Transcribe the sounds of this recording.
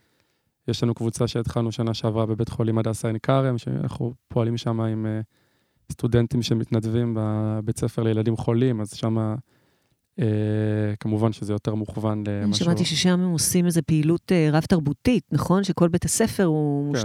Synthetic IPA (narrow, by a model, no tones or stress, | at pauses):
jeʃlanukvut͡saʃeːt̪χalnuʃanaʃeavʁabebetχo̞limadaːsaenkaʁemʃḛa̰na̰χṵpʰo̞alimʃamaime | studentimʃe̞mitnadvimbabet͡sefeʁlejeladimχo̞limazʃama | ekamuvanʃezejo̞te̞ʁmuχvanlemaʃamat̪iʃeʃamemosimezepeiluteʁav̥taʁbutitnaχo̞nʃeko̞lbetase̞fe̞ʁumu